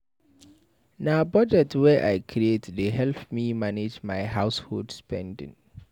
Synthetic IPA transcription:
nabɔd͡ʒɛtwɛʔa̰ɪkʰɹietdeɦɛlpmimaned͡ʒmaɪɦaʊshodspɛ̰̃ndɪ̰̃ŋ

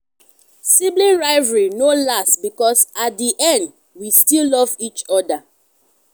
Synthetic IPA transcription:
siblĩnɹaɪvɹinolastbikɔsat̚diʔɛ̃nd | wistillɔvit͡ʃɔda

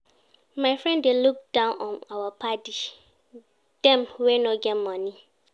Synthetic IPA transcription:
mãɪfɹɛ̃ndeluk̚d̥ãʊ̃nʔɔ̃nawapʰati | d̥ɛ̃mwɛnɔ̃ɡɛmɔ̃nĩ

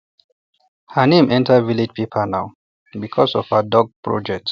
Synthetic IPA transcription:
hənẽmʔɛ̃ntʰəvilid͡ʒpʰepʰənaʊ | bikʰɔsɔfhədɔɡ̚pɹɔ̰d͡ʒɛk̚t

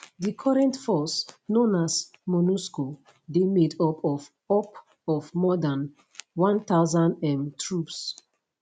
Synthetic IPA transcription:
dikʰɔɹɛ̃ntfɔsnõnas | mɔnusko | demedɔpʰɔf | ɔp | ɔvmɔdãn | wãnt̪aʊzãndɛ̃mtʰɹups

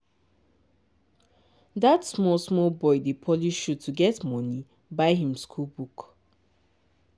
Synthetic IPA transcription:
datsmɔlsmɔlbɔɪdepʰɔliʃud̚tʰuɡɛtmɔni | baɪɦĩmskʰulbuk

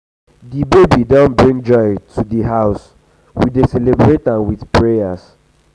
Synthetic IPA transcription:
dibebidãnbɹĩŋd͡ʒɔɪtʰudiɦaʊs | widesɛlebɹetãnwiðpɹejas

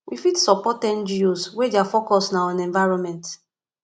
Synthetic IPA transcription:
wʔifitsɔpɔtɛ̃nd͡ʒiuswedeafokɔstnaɔ̃nɛ̃ɱvaɪɹɔ̃nmɛ̃nt

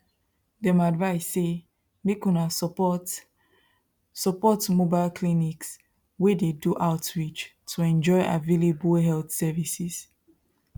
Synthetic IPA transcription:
dɛ̃madvaɪsːe | mekũna | sɔpɔtmobaɪlkʰliniks | wededuʔaʊtɹit͡ʃtʰuɛ̃nd͡ʒɔɪʔa̰velebəlɦɛlθsɛvisiz̥

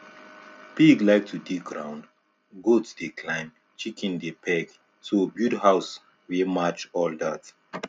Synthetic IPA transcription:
piɡlajk̚tʰudiɡɹãw̃nd | ɡodsdekʰlãɪ̃m | t͡ʃikʰĩndepʰɛɡ | sobjudhaws | wimat͡ʃɔldat

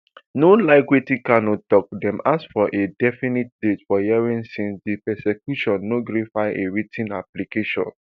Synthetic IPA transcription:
nolaɪɡɹitikanɔtɔk̚dɛ̃mʔasfɔʔedɛfinit̚detfɔjɛɹĩnsĩndipɛsɛkjuʃɔ̃nːoɡɾifaɪʔeɹitʰĩnaplikeʃɔ̰̃n

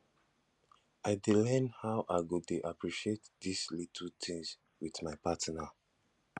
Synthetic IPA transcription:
aɪdelɛ̃nhaʊʔaɪɡotuʔapɹiʃietdislitʰltʰĩŋs | wiθmaɪpatina

